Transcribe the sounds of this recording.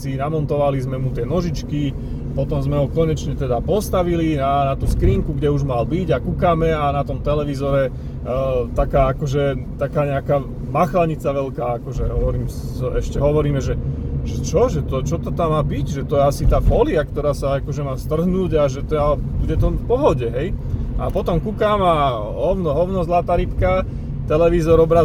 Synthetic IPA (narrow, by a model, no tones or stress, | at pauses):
sinamɔnt̪ɔʋalizmɛmut̪ɪɛnɔʒit͡ʃki | pɔt̪ɔmzmɛɦɔkɔɲɛt͡ʃɲɛt̪ɛd̪apɔst̪aʋilinanat̪uːskɾiːŋkuɡɟɛuʒmalbiɟakukaːmɛanat̪ɔmt̪ɛlɛʋizɔɾɛ | t̪akaːakɔʒɛt̪akaːɲɛakaː | maxlaɲit͡saʋɛlkaːakɔʒɛɦɔʋɔɾiːm | ɛʃcɛɦɔʋɔɾiːmɛʒɛʒ̥ɛt͡ʃɔʒɛt̪ɔt͡ʃɔt̪ɔt̪amːaːbiɟʒɛt̪ɔjɛasit̪aːfɔːliakt̪ɔɾaːsaakɔʒɛmaːst̪r̩ɦnuːɟaʒɛt̪ɛabuɟɛt̪ɔfpɔɦɔɟɛɦɛjʔa̰pɔt̪ɔmkukama | ɦɔʊnɔɦɔʊnɔzlat̪aɾipka | t̪ɛlɛʋizɔɾɔbɾa